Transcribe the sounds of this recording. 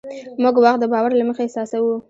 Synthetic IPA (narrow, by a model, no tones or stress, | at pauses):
muɡwaxt̪̚d̪əbɑwaɾlaməxaɪsɑsawu